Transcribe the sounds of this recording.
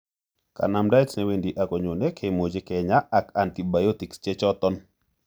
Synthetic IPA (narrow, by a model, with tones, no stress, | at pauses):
ka̰˨na˨mda˦jtsnɛ˦we˦ndi˨ʔa˨kɔ˨ɲo˨nɛ˦kʰe˨mo˨d͡ʒe˦kɛ˨ɲa˦ʔa˨ka˨nti˨ba˨jɔ˦t̪i˨kst͡ʃɛ˦t͡ʃɔ˦t̪ɔ˦n